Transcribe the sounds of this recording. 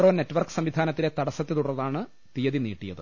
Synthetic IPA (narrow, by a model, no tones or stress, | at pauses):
roːne̞tːʋɐrkɨ̥sɐmʋid̪ʱaːnɐt̪ːile̞t̪ɐɽɐsɐt̪ːɨt̪uɽɐrɐðaːɳɨ | t̪ijɐðinḭːʈːijɐðɨ